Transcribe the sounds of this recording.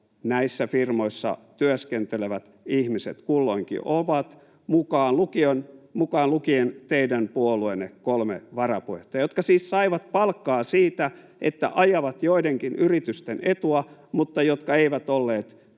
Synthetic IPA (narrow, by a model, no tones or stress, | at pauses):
næisːæfirmoisːɑ̰t̪yøskent̪eleʋæt̪ | ihmisḛt̪kulːoiŋkḭʔoʋɑt̪ | mukɑːnlukionmukɑːlukient̪eidænpuoluenːekolmḛʋɑrɑpueht̪ːɑjot̪kɑsiːssɑiʋɑt̪̚pɑlkːɑːsiːt̪æ | ḛt̪ːæ̰ʔɑjɑʋɑt̪joideŋkinyrit̪yst̪enet̪uɑmut̪ːɑjot̪kɑeiʋæt̪olːeːt̪